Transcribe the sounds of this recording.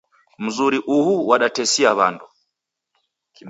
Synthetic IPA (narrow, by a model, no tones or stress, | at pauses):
m̩zuɾiʔuhuwaɗatɛsiaβandɔ